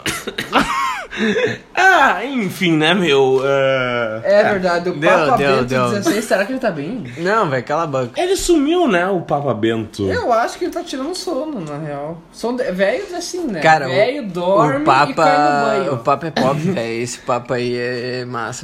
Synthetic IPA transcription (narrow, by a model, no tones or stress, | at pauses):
aẽfĩnɛmewɛ | ɛveɾd̪ad͡ʒɪʊd̪ewpɐd̪ewd̪ewsẽseɾakɪelɪt̪abẽj̃ | nɐ̃w̃vɛjɐkɛlabɐ̃kɐelɪsumiwnɛʊpapɐbẽnt̪ʊewaʃʊ̥kɪelɪt̪at͡ʃiɾɐ̃nd̪ʊsõnʊnɐheaw | sõd̪vɛjʊzɛsĩnɛkaɾɐɛjʊd̪ɔɾmpapɐãɐ̃ʊpapɐɛpɔpɪvɛjesɪ̥papɐiɛɛma̰sɐ